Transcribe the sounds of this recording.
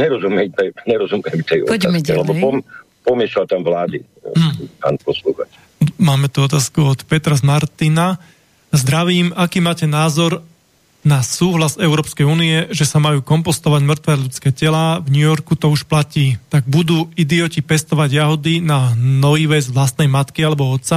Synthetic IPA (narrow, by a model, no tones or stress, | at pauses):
ɲɛɾɔzumjɛmt̪ɛɲɛɾɔzumɪɛmt̪ɛjɔ̰pa̰ːkɛlɛbɔpɔm | pɔmɪɛʃlalt̪amʋlaːd̪ḭ | pa̰ːnpɔsluxa̰t͡ʃ | maːmɛt̪uɔt̪aːskuɔt̪pɛt̪ɾazmaɾt̪ina | zd̪ɾaʋiːmakiːmaːcɛnaːzɔɾ | nasuːɦlazɛʊɾɔːpskɛjuːniɛʒɛsamajuːkɔmpɔst̪ɔʋaɟmr̩t̪ʋɛːʎut͡skɛːcɛlaːvɲujɔɾkut̪ɔuʃplaciːt̪aɡ̚bud̪uːid̪iɔcipɛst̪ɔʋaɟjaɦɔd̪inanɔiʋɛzʋlast̪nɛjmat̪kialɛbɔɔt̪t͡sa